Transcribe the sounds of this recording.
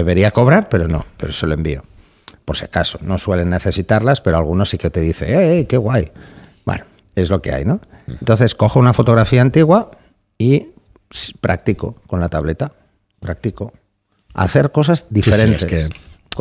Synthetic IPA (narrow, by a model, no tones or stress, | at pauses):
deβe̞ɾiako̞β̞ɾaɾpe̞ɾo̞no̞̰pe̞ɾose̞loe̞mbḭo̞̰ | poɾsjakaso̞no̞swe̞le̞nːe̞θe̞sit̪aɾlaspe̞ɾo̞alɣunosːike̞t̪e̞ðiθe̞̰ejke̞ɣwaj | ba̰no | e̞zlo̞ke̞̰a̰jno̞ | ent̪onθe̞sko̞xounafo̞t̪oɾafiaːnt̪iɣwa | i | spɾʔak̚t̪iko̞ko̞nlat̪aβle̞t̪a | pɾak̚t̪iko̞ | a̰θe̞ɾko̞sazd̪ifeɾe̞nt̪e̞s